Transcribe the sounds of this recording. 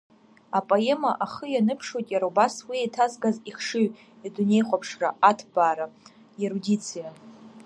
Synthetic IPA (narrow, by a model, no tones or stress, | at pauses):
apʼoemaʔaχəjanɨpʰʂojtʼjaɾawbaswiejtʰazɡaziχʂɨɥ | adune̞jχʷapʰʂra̰atʰbaːɾa | jeɾudʲit͡sʰija